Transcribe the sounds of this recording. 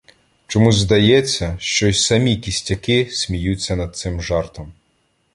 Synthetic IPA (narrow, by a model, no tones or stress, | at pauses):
t͡ʃɔmuzd̪ɐjɛt͡sʲːɐʃt͡ʃɔsʲsɐmʲikʲisʲtʲɐkɪsʲmʲijut͡sʲːɐnɐd̪̚t̪sɪmʒɑrt̪ɔm